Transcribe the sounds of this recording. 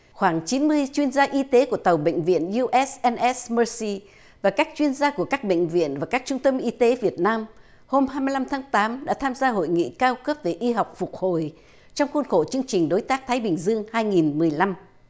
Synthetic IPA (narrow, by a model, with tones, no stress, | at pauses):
xwaː˧˩ŋt͡ɕi˨˦nmɨ˧əjt͡ɕwi˧ənzaː˧ʔi˧t̪e˨˦ku˧˩ət̪ə˨˩wɓə̰˧˨jŋ̟vḭ˧˨ənju˧ʔɛ˦˥sʔɛ˧nʔɛ˦˥sməː˧si˧ | vaː˨˩kaː˦˥k̚t͡ɕwi˧ənzaː˧ku˧˩əkaː˦˥k̚ɓə̰˧˨jŋ̟vḭ˧˨ənvaː˨˩kaː˦˥k̚t͡ɕʊ˧ŋ͡mt̪ə˧mʔi˧t̪e˨˦vi˨˩ət̚naː˧m | ho˧mhaː˧jmɨ˧jla˧mt̪ʰaː˨˦ŋt̪aː˨˦mɗa̰ː˧˥t̪ʰaː˧mzaː˧ɦo̰˧˨jŋḭ˧˨kaː˧wkə˦˥p̚ve˨˩ʔi˧ɦa˨˩wk͡p̚fʊ˨˩k͡p̚ho̰˨˧˨j | t͡ɕɔ˧wŋ͡mxu˧nxo˧˩t͡ɕɨ˧əŋt͡ɕï˨˩ŋ̟ɗo˨˦jt̪aː˦˥k̚t̪ʰaː˨˦jɓï˨˩ŋ̟zɨ˧əŋhaː˧jŋi˨˩nmɨ˨˩əjla˧m